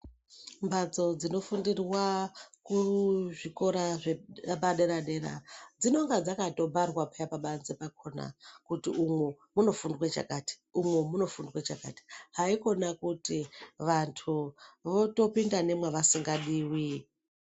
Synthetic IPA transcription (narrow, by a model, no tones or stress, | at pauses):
mbʱad͡zo̞d͡zino̞fundirwakuʐiko̞ɾaʐepaɗeɾaɗe̞ɾa̰d͡zino̞ŋɡad͡zakato̞bʱarwapajapaɓanzepakʰo̞na̰kutiumwe | muno̞fundwet͡ʃa̰kati̥umwemuno̞fundwet͡ʃaka̰ti̥ɦaiko̞nakutiʋantʰuʋo̞to̞pindane̞mweʋasiŋɡaɗiːwi